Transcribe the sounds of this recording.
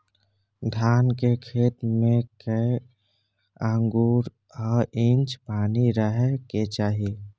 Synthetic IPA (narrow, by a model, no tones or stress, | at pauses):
d̪ʱaːnkekʰeːt̪mẽkə | aŋɡuːɾ | ɔːɾĩnt͡ʃpaːniɾəɦeket͡ʃaːɦi